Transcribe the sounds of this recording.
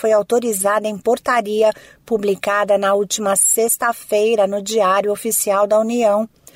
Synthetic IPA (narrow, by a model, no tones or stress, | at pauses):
fojawt̪oɾizad̪ɐẽj̃poɾt̪aɾiɐ | publikad̪ɐnɐuwt͡ʃimɐsest̪ɐfejɾɐnʊd͡ʒiaɾjʊofisiawd̪ɐuniɐ̃w̃